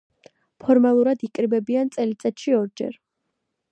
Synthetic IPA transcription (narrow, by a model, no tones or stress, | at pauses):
pʰɔɾmalˠuɾad̪ikʼɾibɛbiant̪sʼɛlit̪sʼɛt̪ʃiɔɾd͡ʒɛ̰ɾ